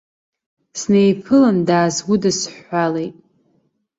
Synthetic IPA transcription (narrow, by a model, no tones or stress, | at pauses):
snejpʰɨlandaːzwidɨsħʷalejtʼ